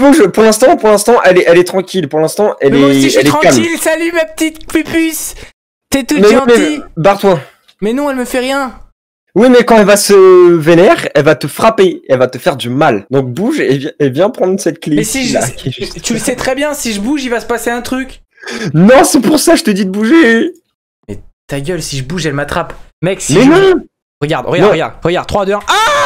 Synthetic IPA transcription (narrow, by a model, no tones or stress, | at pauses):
buʒpuʁlɛ̃st̪ɑ̃puʁlɛ̃st̪ɑ̃ʔɛlɛʔɛlɛt̪χɑ̃kʲilpuʁlɛ̃st̪ɑ̃ʔɛlɛɛɛlɛ̃kamilsalymapə̥t̪it̪pypys | t̪ɛt̪umɛwĩmɛbaʁt̪wã | mɛnɔ̃ɛlməfɛʁjɛ̃ | wimɛkɑ̃ɛlvasəvenɛʁɛlvat̪əfχapeɛlvat̪əfɛʁd̪ymald̪ɔ̃k̚buʒevjɛ̃evjɛ̃pχɑ̃d̪ʁsɛt̪̚klimɛsiʒʒt̪yləsɛt̪χɛbjɛ̃siʒəbuʒivasə̥paseɛ̃t̪χykʲ | nɔ̃sɛpuʁsaʒət̪əd̪id̪əbuʒe | mɛt̪aɡʲœlsiʒəbuʒɛlmat̪χapmɛksimɛnɔ̃ | ʁəɡaʁd̪ʁəɡañʁəɡa̰ʁd̪ʁəɡaʁd̪̚χwad̪øa